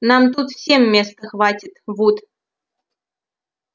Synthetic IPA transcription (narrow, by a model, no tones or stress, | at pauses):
nɑmt̪ut̪fsʲemːʲest̪əxvɑtʲit̪vut̪